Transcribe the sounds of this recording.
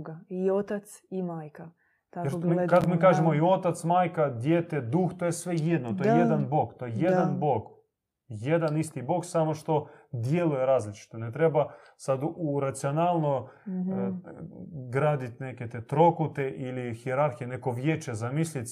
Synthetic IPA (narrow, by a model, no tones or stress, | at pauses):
ɡaiot̪at̪simaːjka | t̪aeɾmikakomikaːʒemoio̞t̪at̪smaːjkad̪jeːt̪ed̪uxt̪ojesʋe̞jed̪not̪ojejed̪anbo̞ɡt̪o̞jejed̪anboɡ | je̞d̪anist̪ibo̞ksamoʃt̪o̞d̪je̞lujeɾaːzlit͡ʃi̥t̪onet̪ɾe̞basad̪uɾat̪sionaːlˠno | ɡɾaːd̪it̪ʲne̞ket̪et̪ɾokut̪eʔilixieɾaɾxijene̞koʋjeːt͡ʃezamislʲit̪